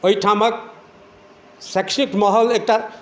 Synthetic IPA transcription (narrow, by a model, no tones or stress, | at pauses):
ojʈʰamʌk̚ | sɛksikmɔɦəlek̚ʈa